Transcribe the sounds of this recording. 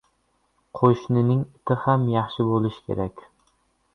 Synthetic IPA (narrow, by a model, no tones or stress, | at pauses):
qʰoʃnɪnɪŋɪt̪ʰɪhamjɑχʃɪbolɪʃkʲʰḛɾakʲ